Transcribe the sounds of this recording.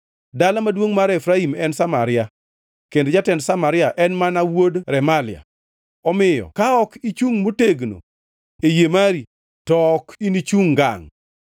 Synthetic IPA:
dalamadwoŋmaɾɛfɾaimɛnsama̰ɾɪja | kended͡ʒatɛndsamaɾɪaʔɛnmanawodɾɛmalɪa̰ | ɔmɪjɔ̰kaɔkit͡ʃuŋmoteɡno̰ | ejemaɾi | tɔkinit͡ʃuŋɡa̰ŋ

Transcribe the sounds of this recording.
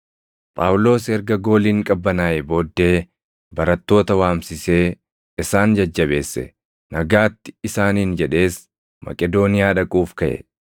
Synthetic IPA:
pʼaːwlo̞ːsɛɾɡɐɡo̞ːliːŋkʼɐbːɐnaːɛbo̞ːd̪ːe̞ː | bɐɾɐt̪ːo̞ːt̪ɐwaːmsɪse̞ː | ɪsaːnd͡ʒɐd͡ʒːɐβe̞ːsːɛ̰ | nɐɡaːt̪ːɪ̥ɪsaːniːnd͡ʒɛᶑe̞ːs | mɐ̰kʼɛd̪o̞ːnɪjaːᶑɐkʼuːfkɐʔɛ̰

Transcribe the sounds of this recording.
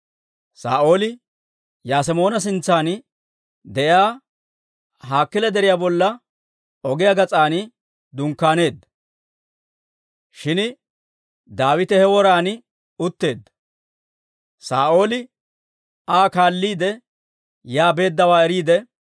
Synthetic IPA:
sa̰ːʔo̞ːlɪ | jaːs̬ɛmo̞ːnɐs̬ɪnt͡sːaːn | d̪ɛʔjaː | ɦaːkːɪlɛd̪ɛɾɪjaːbɔlːɐ | ɔɡɪjaɡɐt͡sʼaːnɪ | d̪ʊŋkːaːne̞ːd̪ːɐ | ʃɪn | d̪aːwɪt̪ɛhɛwɔɾaːn | ʊt̪ːe̞ːd̪ːɐ | saːʔo̞ːlɪ | aːkaːlːiːd̪ɛ | jaːbe̞ːd̪ːɐwaːɛɾiːd̪ɛ

